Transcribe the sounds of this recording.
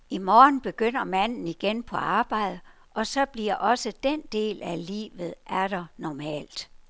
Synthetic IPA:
imɒːn̩b̥e̝ɡ̥øn̰ɐmæn̰n̩iɡ̥enpʰɒ̽ɑ̈ːb̥ɑ̈ɪ̰ð̩ˠə | ʔɒ̽sɒ̽b̥liɐ̰ʔɒ̽səd̥end̥e̝̰ːlælḭːʋð̞̩ˠʔæɐɾ̥ɑnɒmɛ̰ːl̰d̥

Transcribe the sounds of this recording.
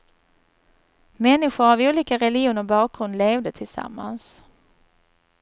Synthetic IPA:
mɛnːɪɧʊɾavuːliːkaɾɛlɪuːnəɾbɑːk̚ɡɾɵnd̪leːvd̪ət̪ʰɪlsa̰mːa̰ns

